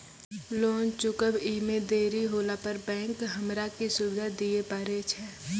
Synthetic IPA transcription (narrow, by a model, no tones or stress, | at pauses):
loːnt͡ʃʊkəbiːmed̪eːɾiɦoːlapəɾbɛ̃ːŋkɦəmɾakisʊbɪd̪ʱad̪iepaːɾet͡ʃʰɛː